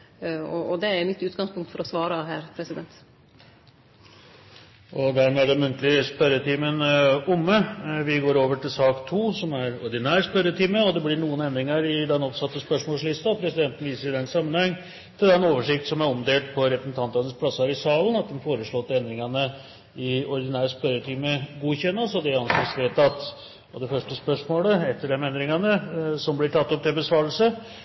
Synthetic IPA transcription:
ɔɔd̪ɛæɾjmɪt̪ːʉːt̪ɡɑŋspʊŋkt̪fɔɾɔsʋɑːɾɑɦæːɾpʰɾɛsɪd̪ɛnt̪ | ʔɔd̪ænæɖɛmʉnt̪lɪəspœɾət̪ʰiːmənʊmːəʋɪɡoːɾoːʋəʈʰɪlsɑːkt̪ʰuːsɔmæɾɔɖɪnæːɾspœɾət̪ʰiːməɔd̪ɛblɪɳuːənɛnd̪ɾɪŋɑɾɪd̪ɛnɔpsɑt̪ːəspœʂmoːlslɪst̪ɑpʰɾɛsɪd̪ɛnt̪nʋiːsəɾɪd̪ɛnːsɑmːənhɛŋː | t̪ʰɪld̪ɛnoːʋəʂɪkt̪sɔmæɾɔmd̪eːlt̪̚pʰɔɾɛpɾəsn̩t̪ʰɑnt̪ɑnəspʰlɑsːɑɾɪsɑːlənɑt̪̚d̪ɛmfoːɾəʂɭoːt̪ːɛnd̪ɾɪŋɑnə | ɪɔɾɪd̪ɪnæːɾəspœɾət̪ʰiːməɡuːçɛnːəsɔd̪ɛɑnsɛsʋeːt̪ɑt̪ | ɔd̪ɛfœʂʈəspœʂmoːləɛt̪ːəɖɛmɛnd̪ɾɪŋɑnəsɔmblɪʈʰɑt̪ːɔp̚d̪ɪbəsʋɑːɾlsə

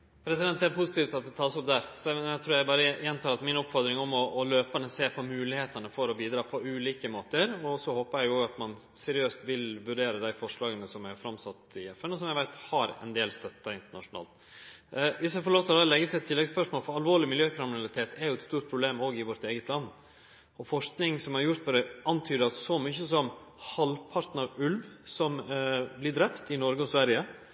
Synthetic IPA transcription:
pʰɾɛsɪd̪ɛnt̪æɾpʰʊsɪt̪iːft̪ɑt̪̚d̪ɛt̪ʰɑːsɔp̚d̪æɾsɔɛæɪt̪ɾuːɾjæɪbɑːɾəjɛnt̪ʰɑːɾɑt̪mɪnɔpfɔɾd̪ɾɪŋɔmɔʔːløːpənəseːpʰɔmʉːlɪheːt̪ɑnəfɔɾɔbiːd̪ɾɑːpʰɔʉːliːkəmoːt̪əɾɔsɔhoːpəɾjæɪoːɡɑt̪mɑn | sɛɾɪøːst̪ʋɪlʋʉɖeːɾəd̪æɪfɔʂɭɑːɡənəsɔmæɾfɾɑmsɑt̪ːɪɛfːɛnɔsɔmjæɪʋæɪt̪hɑɾɛ̰nd̪eːlst̪œt̪ːɑɪnt̪əɳɑ̰ʂʊnɑ̰ːlt̪ | ʋɪsjæɪfɔɾɭoːʋt̪ʰld̪ɛlɛɡət̪ʰɪlɛt̪ʰːɪlːɛɡspœʂmoːlfɔɾɑlʋoːɭɪmɪljøːkʰɾɪmɪnɑlɪt̪ʰeːt̪ʰɛɾjʊɛt̪st̪uːʈ̚pʰɾʊbleːmoːɡɪʋɔɾt̪eːɡət̪lɑnː | ɔfɔʂknɪŋsɔmhæɾjʊɾt̪pɔd̪ɛʔɑnt̪ʰyːd̪əɑt̪sɔmyçəsɔmhɑlpʰɑɾt̪nɑɾʉlʋsɔmblɪd̪ɾɛpt̪ɪnɔɾɡəɔsʋæɾjə

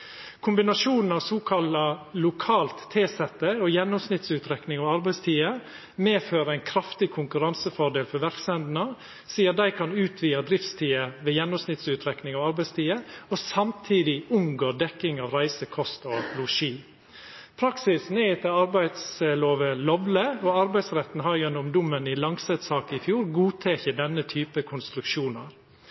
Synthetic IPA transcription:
kʰʊmbɪnɑʃuːnn̩ɑːʋsoːkʰɑlɑlʊkʰɑːlt̪ʰːeːsɛt̪ːəɔjɛnːɔmsnɪt̪sʉːt̪ɾɛknɪŋɑʋɑɾbæɪst̪ʰiːə | meːføːɾəæɪnkʰɾɑft̪ɪkʰʊŋkʉɾɑnsəfɔɖ̪eːlfɔʋæɾksɛnd̪n̩ɑ | siːəɾd̪æɪkʰɑnʉːt̪ʰʋiːɑd̪ɾɪft̪st̪ʰiːəʋeːjɛnːɔmsnɪt̪sʉːt̪ʰɾɛknɪŋɑʋɑɾbæɪst̪ʰiːəɔsɑmt̪ʰiːd̪ɪʉŋɡoːɖ̪ɛkːɪŋɑʋɾæɪsəkʰɔst̪ɔlʊʃiː | pʰɾɑksɪsneːt̪ʰɪlɑɾbæɪd̪sloːʋəlɔbləɔɑɾbæɪsɾɛt̪ːn̩ɦɑɾjɛnːʊmd̪ʊmːənɪlɑŋsɛt̪sɑːkəɪfjuːɾɡuːt̪ʰeːçəd̪ɛnːət̪ʰyːpəkʰʊnst̪ɾʉkʃuːnɑɾ

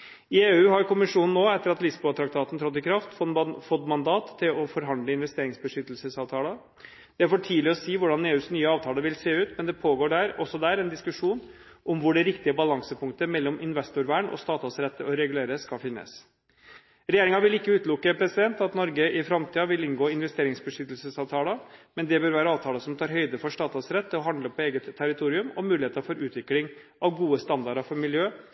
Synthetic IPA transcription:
ɪeːʉːɦɑɾkʊmɪʂuːnn̩ːoːɛt̪ːəɾɑt̪lɪsbut̪ʰɾɑk̚t̪ʰɑːt̪n̩t̪ʰɾɔt̪̬ːɪkʰɾɑft̪fɔfɔt̪ːmɑnd̪ɑːt̪ʰːɪlɔfɔɾɦɑnd̪ləɪnʋɛst̪eːɾɪŋsbəʂʏt̪ːəlsəsɑːʋt̪ʰɑːlə | d̪̥ɛfoːʈʰiːlɪɔsiːʋʊɖɑneːʉːsnyːəɑːʋt̪ʰɑːləʋɪlseːʉːt̪mɛnd̪ɛpʰoːɡoːɖæːɾɔsɔd̪æːɾɛnd̪ɪskʉʂuːn | ʔɔmʋʊɖɛɾɪkt̪ɪəbɑlɑŋsəpʰʊŋkt̪əmɛlːɔmʔɪnʋɛst̪ʊɾʋæːɳɔ̰st̪ɑːt̪ɑsɾɛt̪ːəɔɾɛɡʉleːɾəsːkɑfɪnːə̰s | ɾɛjeːɾɪŋɑʋɪlɪkːəʉːt̪lʊkːəpʰɾɛsɪd̪ɛnt̪ɑt̪nɔɾɡəʔɪfɾɑmt̪ʰiːɑʋɪlɪnɡoːɪnʋɛst̪eːɾɪŋsbəʂʏt̪ːəlsəsɑʋt̪ʰɑːləmɛnd̪ɛbøːɾʋæːɾəɑːʋt̪ʰɑːləsɔmt̪ʰɑːɾɦœʏd̪əfɔʂt̪ɑːt̪ɑsɾɛt̪ːəɔɦɑnd̪ləpʰɔeːɡət̪ʰːæɾɪt̪ʰuːɾɪʉmɔmʉːlɪheːt̪əfɔɾʉːt̪ʰʋɪklɪŋ | ʔɑʋɡuːəst̪ɑnd̪ɑɖɑfɔɾmɪljøː

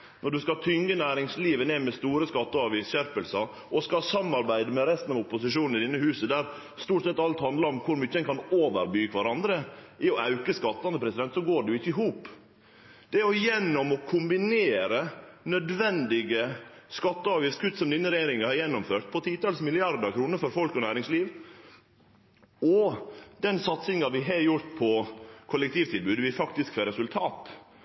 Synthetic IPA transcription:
nɔɖʉskɑt̪ʰʏŋɡənæːɾɪŋsliːʋəneːmɛst̪uːɾəskɑt̪ːəɑːʋiːsɕæɾpəlsɑ | ɔskɑsɑmːɑɾbæɪd̪əmɛɾɛst̪n̩ɑʋʊpʊsɪʂuːnn̩ɪd̪ɪnːəhʉːsəd̪æːɾ | st̪uːʈsɛt̪ːɑlt̪hɑnd̪lɑɾɔmkʰʊɾmyçːədɛnkʰɑnoːʋə̰ɾbyːkʰʋɑɾɑnd̪ɾə | ɪɔʔɑʉkəskɑt̪ːɑnəpʰɾɛsɪd̪ɛnt̪sɔɡoːɖɛʊɪçːəɪɦuːp | d̪̥ɛɔjɛnːɔmɔkʰʊmbɪneːɾənœd̪ʋɛnd̪ɪɡə | skɑt̪ːəɑːʋjift̪skʰʉt̪ːsɔmd̪ɪnːəɾɛjeːɾɪŋɑhɑɾjɛnːɔmføːɾʈ̪̚pʰɔt̪ʰiːt̪ɑːlsmɪlɪɑɾd̪əɾkʰɾuːnəɾfɔɾfɔlkɔnæːɾɪŋsliːʋ | ɔd̪̥ɛnsɑt̪sɪŋɑʋɪɦɛjʊɾt̪pʰɔkʰʊlɛk̚t̪ʰiːʋt̪ʰɪlbʉːd̪ʋɪlfɑkt̪ɪskfeːɾɛsʉlt̪ʰɑːt̪

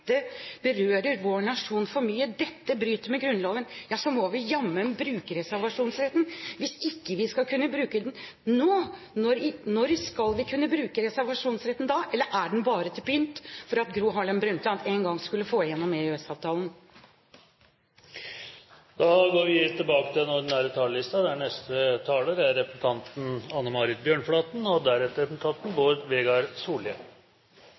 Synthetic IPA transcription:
t̪ːəbəɾøːɾəɾʋoːɳɑʂuːnfɔɾmyːəd̪ɛt̪ːəbɾyːt̪əɾmɛɡɾʉnlɑːɡənjɑːsɔmɔʋɪjɑmːənbɾʉːkəɾɛsæɾʋɑʂuːnsɾɛt̪nʋɪsɪkːəʋɪskɑlkʰʉnːəbɾʉːkəd̪ɛn | noː | nɔɾɪnɔɾskɑlʋɪkʰʉnːəbɾʉːkəɾɛsæɾʋɑʂuːnsɾɛt̪nd̪ɑːʔɛlːəɾʔæɖɛnbɑːɾət̪ʰɪlpʰynt̪fɔɾɑt̪̚ɡɾuːɦɑɭɛnbɾʉnt̪əɑt̪eːnɡɑŋskʉlːəfoːjɛnːɔmeøɛsɑːʋt̪ʰɑːln | d̪̥ɑɡoːɾʋɪt̪ʰːɪlbɑːkət̪ʰɪlɛnɔɖ̪ɪnæːɾət̪ʰɑːləlɪst̪ɑd̪ɛæɳɛst̪ət̪ʰɑːləɾæɾːɛpən̩t̪ʰɑnt̪n̩ɑnːəmɑːɾɪt̪̚bjøːɳflɑːt̪nɔd̪æɾɛt̪ːəɾɛpən̩t̪ʰɑnt̪n̩boːɾʋeːɡɑɾsuːlə

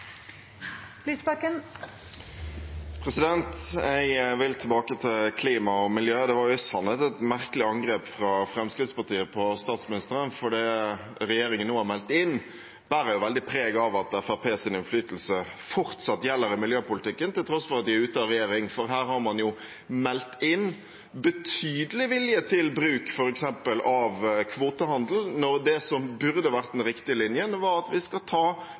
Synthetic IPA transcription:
lyːsbɑkən | pʰɾɛsɪd̪ɛnt̪ɛɪɡʋɪlt̪ʰɛbɑːkət̪ʰɪlkʰliːmɑɔmɪljøːd̪ɛʋɑɾjʊɪsɑnːət̪ɛt̪mæɾkəlɪɑŋɡʁeːpfɾɑfɾɛmskɾɪd̪spɑʈiːəpʰɔst̪ɑːt̪smɪnɪst̪əɾənfɔɖi | ɾɛjeːɾɪŋənːuːhɑæmɛlt̪ɪnː | b̥æːɾəjʊʋɛld̪ɪpʰɾeːɡɑʋɑt̪ɛfæʁpʰeːsɪnɪnflyːt̪əl̩sə | fɔɾt̪sɑt̪ːjɛlːəɾɪmɪljøːpʊlɪt̪ʰɪkːənt̪ɪlt̪ʰɾɔsːfɔɾɑt̪̚d̪ɪæʉːt̪əɑɾɛjeːɾɪŋfɔɾɦæːɾhɑɾmɑnjʊ | mɛlt̪ɪn | bət̪ʰyːd̪əlɪʋɪljət̪ʰɪlbɾʉːkfɔɾɛksɛmpəlʔɑʋkʰʋoːt̪əhɑnd̪l̩nɔɾd̪ɛsɔmbʉɾd̪əʋæɾt̪̚d̪ɛnɾɪkt̪ɪəlɪnjənʋɑɾɑt̪ʋɪskɑt̪ʰɑː

